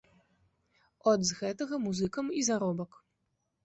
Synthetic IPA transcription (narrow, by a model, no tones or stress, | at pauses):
ɔd̪zɣɛt̪ɐɣɐmuzɨkɐmizaɾɔbɐk